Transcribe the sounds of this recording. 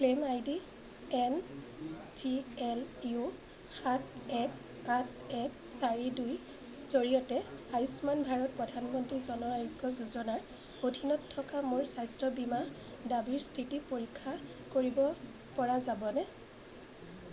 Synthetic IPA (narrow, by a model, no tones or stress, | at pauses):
klemajdi | ɛn | tiɛlu | xat̚ʰɛk̚ | atʰ | ɛk̚saɹiduj | z̥oɹiɔtɛajusmanbʱaɹɔt̚pɹɔdʱanmɔntɹizɔnɔɹaɹiɡɔzuzɔnaɹ | odʱinɔtʰːɔkamʊɹsajstɔbima | dabiɹstʰitipoɹikʰːa | koɹibɔ | pɔɹazabɔnɛ